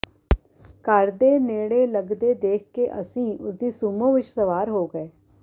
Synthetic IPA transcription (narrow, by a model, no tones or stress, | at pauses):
kəɾd̪eːneːɽeːləɡd̪eːd̪eːkʰkeːʔə̰sĩːʔʊsd̪iːsuːmõːʋɪt͡ʃsəʋaːɾɦoːɡəeː